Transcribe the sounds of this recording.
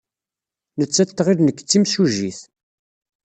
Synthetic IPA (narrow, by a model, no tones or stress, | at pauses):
nət͡sːæt̪ːʁiðnəkːt͡sːimsuʒiθ